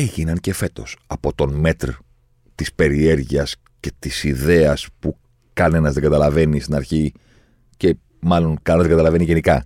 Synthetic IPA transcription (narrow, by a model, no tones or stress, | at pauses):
eʝinɐnce̞fe̞t̪o̞sɐpo̞t̪o̞nme̞t̪ɾo | t̪ispe̞ɾie̞ɾʝiɐs | ce̞t̪isiðe̞ɐspu | kɐne̞nɐzðe̞ŋɡɐt̪ɐlɐve̞nist̪inɐɾçi | ce̞ | mɐlo̞nkɐnenɐzðeɡɐt̪ɐlɐve̞niʝenikɐ